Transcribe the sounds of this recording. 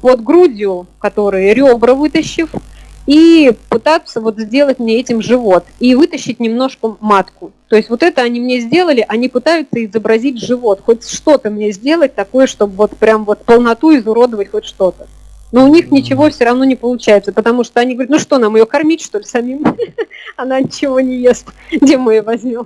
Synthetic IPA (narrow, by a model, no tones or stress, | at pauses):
vo̞t̪ɡɾudʲɪʊkɐt̪o̞ɾɨjʊɾʲo̞bɾəvɨt̪əɕːɪf | ipɨt̪at̪sːəvo̞t̪zʲdʲe̞lˠətʲmnʲeɛtʲɪmʐɨvo̞t̪ivɨt̪əɕːɪtʲnʲɪmno̞ʂkəmat̪kʊt̪o̞jɪstʲvo̞t̪ɛt̪əɐnʲimnʲezʲdʲe̞lˠəlʲɪʔɐnʲipɨt̪ajʊt̪səɪzəbɾɐzʲit̚ʲʐɨvo̞t̪xo̞t̚ʲsʂt̪o̞t̪əmnʲe̞zʲdʲe̞lˠət̚ʲt̪ɐko̞jəʂt̪o̞bvo̞t̪pɾʲamvo̞t̪pəlˠnɐt̪uɪzʊɾo̞d̪əvətʲxo̞t̚ʲʂt̪o̞t̪ə | noʊnʲixnʲɪt͡ɕɪvo̞fsʲoɾɐvn̪o̞nʲɪpəlˠʊt͡ɕæjɪt̪səpət̪ɐmuʂt̪oɐnʲiɡvɾʲt̪nuʂt̪o̞namɨjo̞kɐrmʲitʲʂt̪o̞lʲsɐmʲim | ɐnanʲɪt͡ɕɪvo̞nʲɪjesʲt̪ʲdʲemːɨjovɐzʲmʲom